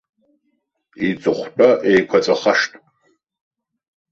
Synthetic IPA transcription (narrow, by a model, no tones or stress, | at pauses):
it͡sʼɨχʷtʼɐʔejkʷʰɐt͡sʼɐχɐʂtʼ